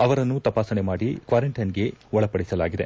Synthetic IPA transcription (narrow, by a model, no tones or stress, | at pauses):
ɐʋɐɾɐnːut̪ɐpaːsɐne̞maːɽikʋaːɾeɳʈɐnɡe̞ɔɭɐpɐɽisɐlaːɡid̪e̞̰